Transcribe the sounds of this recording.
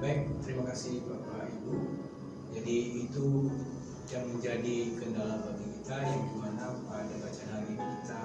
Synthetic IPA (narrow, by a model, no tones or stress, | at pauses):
baik̚t̪əɾimakasihbɾapaibu | d͡ʒadiːt̪u | jaŋməɲd͡ʒadikəndalahbaɡikit̪ajaŋdimanapadabat͡ʃanaɡibukit̪a